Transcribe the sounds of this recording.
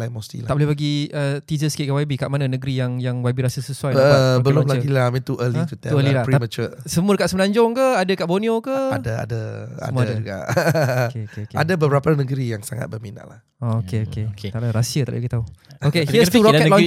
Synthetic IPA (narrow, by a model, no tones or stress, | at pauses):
lajmost̪ḭlaʔbəlɛhbaɡiət̪izəskikawabikaʔmananəɡɾijaŋjaŋwabiɾasəsəsuajbəlʊ̃mlaɡilamɛ̃nt̪uʔəlit̪ut̪ɛuəlilapɾimət͡ʃəsəmuədəkaʔsəmənaɲd͡ʒɔŋkəadəkaʔbonĩokəadaa̰dəsaə̰muadaka̰ʔkeokeoka̰dabəbəɾapanəɡəɾijaŋsaŋa̰t̪̚bəmina̰ʔlah | ookeoket̪aʔlaɾasiət̪aʔlbaɡit̪auokehiət̪uɾɔlɔ